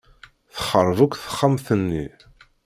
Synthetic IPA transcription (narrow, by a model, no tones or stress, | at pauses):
θə̥χəɾˤːvukʷːθə̥χːamθənːi